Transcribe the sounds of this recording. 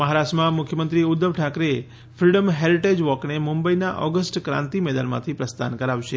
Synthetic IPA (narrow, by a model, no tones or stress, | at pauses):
məɦaɾaʃʈmãmʊkʰjəmənt̪ɾiʊd̪ːəʋʈʰakɾe | fɾiɖəmɦeɾiʈed͡ʒʋɔknemʊ̃mbəinaʔɔɡəsʈkɾã̰nt̪imɛd̪anmã̰t̪ʰipɾəst̪ʰankəɾaʋʃe